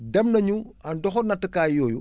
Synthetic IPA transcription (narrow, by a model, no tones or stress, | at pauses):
dɛmnɐɲuandɔxɔnɐtːəkaːjɔːju